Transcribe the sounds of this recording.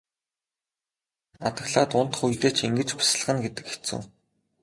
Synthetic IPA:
at̪ə̆ɣɮaːt̪ʊn̥t̪ə̥̆χujt̪eːt͡ɕʰeŋɡɘ̆t͡ɕpʊ̥s̆ɮ̆χə̆nɡet̪ɘ̆kxe̥t͡sɘ̰̆ː

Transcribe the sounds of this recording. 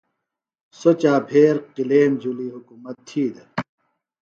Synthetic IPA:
sot͡ɕaːpʰeːɾqileːnd͡ʑuliːɦukumɐt̪ʰːiːd̪e

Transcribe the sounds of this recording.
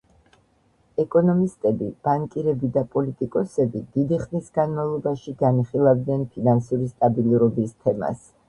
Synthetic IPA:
ɛkʼɔnɔmist̪ʼɛbib̥aŋkʼiɾɛbid̪apʼɔlit̪ʼikʼɔsɛbid̪id̪iχmisɡanmavlˠɔbaʃiɡaniχilˠavd̪nɛnpʰinansuɾist̪ʼabilˠuɾɔbist̪ʰɛma̰s

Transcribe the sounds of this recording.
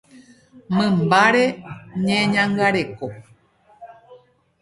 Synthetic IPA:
mɨ̃mbaɾeɲẽɲãŋɡaɾeko

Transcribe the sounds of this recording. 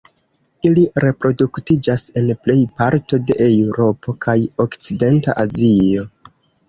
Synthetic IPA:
iliɾe̞pɾo̞duktid͡ʒase̞nple̞jpaɾto̞de̞ʔewɾo̞po̞kʰajo̞kt͡side̞nta̰ʔazio̞

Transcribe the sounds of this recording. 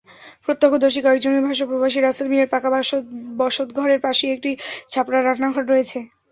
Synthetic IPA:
pɾot̪ːokʰːod̪oʃikɔek̚d͡ʑoneɾbʱaʃopɾobaʃiɾaselmieɾpakabɔʃot̪ɡʱɔɾeɾpaʃiek̚ʈit͡ɕʰapɾaɾanʰnaɡʱɔʈɾojet͡ɕʰe

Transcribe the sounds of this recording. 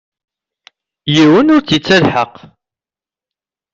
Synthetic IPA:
jiwənʊɾt͡sit͡sːælħəq

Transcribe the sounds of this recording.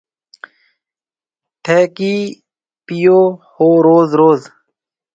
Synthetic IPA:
t̪ʰeːkiː | pijoːhoːɾoːzɾoːz

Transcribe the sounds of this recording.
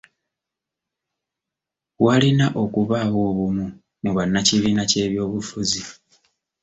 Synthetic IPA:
walinaʔo̞kuβaːβo̞ːβumu | muβanːaciβiːnace̞ːβjo̞ːβufuzi

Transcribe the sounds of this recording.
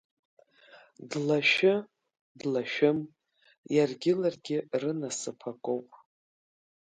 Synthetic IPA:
dlaʃɪ | dlaʃɪm | jarɡʲɪlarɡʲɪrɨnasɨpʰakʷʼowpʼ

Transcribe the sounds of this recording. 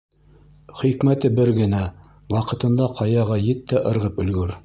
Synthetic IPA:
χikmæt̪ɘbɘɾɡɘ̆næ | wɑqɤ̆t̪ɤ̆nd̪ɑqʰɑjɑʁɑjɘt̪ːæʔɤ̆ɾʁɤpɵ̆lɡɵɾ

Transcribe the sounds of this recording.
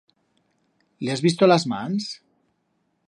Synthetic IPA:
liazβist̪olazmans

